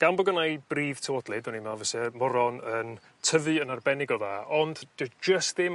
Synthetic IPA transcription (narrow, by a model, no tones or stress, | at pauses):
ɡ̥anbɔɡənajb̥riːv̥tʰəwɔdlˠɪdɔnimɛlˠvəsɛmɔɾɔnən | tʰəvɨənarbɛnɪɡɔðaːʔɔnd̥d̥ɪd͡ʒəstðɪm